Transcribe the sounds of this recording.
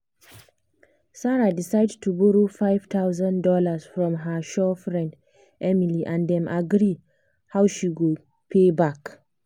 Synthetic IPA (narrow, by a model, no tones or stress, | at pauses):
saɹadisajdtʰubuɹofajv̥t̪ʰawzãndɔlasfɹɔ̃mɦəʃɔfɹɛ̃nd | ʔɛmiliʔãndɛ̃mʔaɡɾi | hawʃiɡɔ | pʰebak